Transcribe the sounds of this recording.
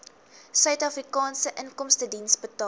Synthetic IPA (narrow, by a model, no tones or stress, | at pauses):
sœɥtɐfrikɑːnsəʔəŋkɔmstədinsbətɑ